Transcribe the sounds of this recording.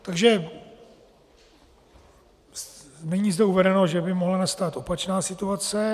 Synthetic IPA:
t̪aɡʒɛ | nɛɲiːzd̪ɛuvɛdɛno̞ʒɛbɪmoɦlanast̪aːt̪ʔo̞pat͡ʃnaːsɪt̪uat͡sɛ

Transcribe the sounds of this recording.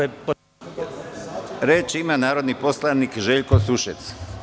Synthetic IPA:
p | ɾeːt͡ʃimanaːɾod̪nipo̞slaniːkʒeʎkosuʃet̪s

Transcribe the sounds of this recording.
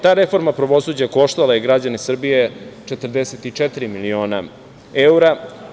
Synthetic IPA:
t̪aːɾe̞fo̞ɾmapɾaʋo̞suːd͡ʑako̞ʃt̪alajeɡɾad͡ʑanesr̩bije̞t͡ʂet̪r̩d̪eset̪it͡ʂɛt̪iɾimilioːna | euɾa

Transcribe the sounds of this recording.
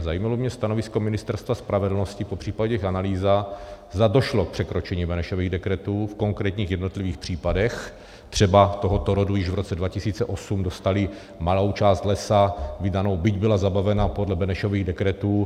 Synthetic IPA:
zajimalomɲɛst̪anovɪsko̞mɪnɪst̪ɛɾst̪vaspɾavɛdl̩noscɪpopr̥iːpaɟɛɛxʔanaliːzazd̪ado̞ʃlok̚pr̥ɛkɾo̞t͡ʃɛɲiːbɛnɛʃoviːɣdɛkɾɛt̪uːfko̞ŋkɾɛːt̪ɲiːxjɛdno̞t̪liviːxpr̥iːpadɛx | t̪r̝̥ɛbat̪o̞ɦot̪oɾodujɪʒvɾot͡sɛdvacɪsiːt͡sɛʔo̞sumdost̪alɪ | malowt͡ʃaːst̪lɛsavɪdano̞wbɪɟbɪlazabavɛnapodlɛbɛnɛʃo̞viːɣdɛkɾɛt̪uː

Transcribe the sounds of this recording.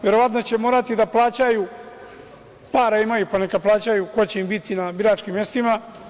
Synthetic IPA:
ʋe̞ɾo̞ʋat̪no̞t͡ɕe̞mo̞ːɾat̪id̪aplˠaːt͡ɕaju | paːɾaimajuponekad̪̚plˠaːt͡ɕajuko̞t͡ɕe̞imbit̪inabiɾaːt͡ʃkimːje̞st̪ima

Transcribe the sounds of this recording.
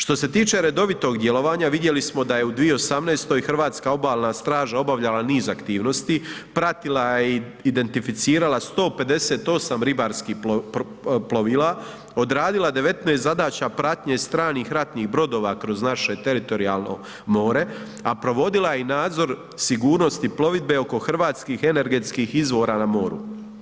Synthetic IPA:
ʃt̪o̞se̞t̪iːt͡ʃe̞ɾe̞d̪o̞ʋit̪o̞ɡd̪jelˠo̞ʋaːɲaʋid̪je̞lismo̞d̪aje̞ud̪ʋijeosamne̞ːst̪o̞ixrʋaːt̪skao̞baːlnast̪ɾaːʒao̞baʋʎalaniːzakt̪iːʋno̞st̪ipɾat̪ilajeid̪e̞nt̪ifit̪siːɾalast̪o̞ːpe̞d̪e̞set̪o̞samɾibaːɾskiː | ploʋiːlˠa | od̪ɾaːd̪ilˠad̪e̞ʋe̞t̪neːst̪zad̪aːt͡ɕapɾat̪ɲest̪ɾaːniːxɾat̪niːɣbɾo̞d̪o̞ːʋakɾo̞znaʃe̞t̪e̞ɾit̪o̞ɾia̰ːlˠno̰ | mo̞ːɾe̞ | apɾo̞ʋo̞d̪ilajenaːd̪zo̞ɾ | siɡuːɾnost̪iplˠo̞ʋid̪̚be̞o̞ko̞xr̩ʋaːt̪skiːxe̞ne̞ɾɡe̞t̪skixizʋo̞ːɾaːnamo̞ːɾṵ

